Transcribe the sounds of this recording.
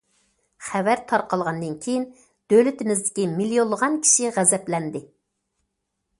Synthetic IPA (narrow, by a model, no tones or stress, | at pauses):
χævæɾt̪ʰɑɾqɑlˠʁɑnd̪ɨnkʲʰejin | d̪̥ølɪt̪ɪmɪzd̪ɪkʲimilijolˠːəʁɑnkʲʰi̥ʃiʁæzɛplɛnd̪ɪ